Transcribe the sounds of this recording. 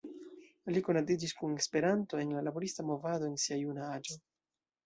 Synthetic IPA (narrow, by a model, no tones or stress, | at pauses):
likonad̪id͡ʒiskunespe̞ɾant̪oenlalaboɾist̪amo̞vad̪o̞ensiajunaad͡ʒo